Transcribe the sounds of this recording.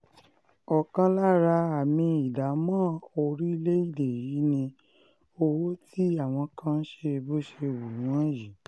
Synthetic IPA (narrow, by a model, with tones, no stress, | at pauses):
ɔ˨kã˧la˦ɾa˧a˨mĩ˧i˨da˨˦mãː˦o˧ɾi˦i˦˧le˦i˦˨de˨ji˨˦nĩ˧ | o˧wo˦tʰi˦a˦˨w̃ɔ̃˧kã˦n̩˦ʃe˧bo˦ʃe˧wu˨nũ˨˦ã˦ji˨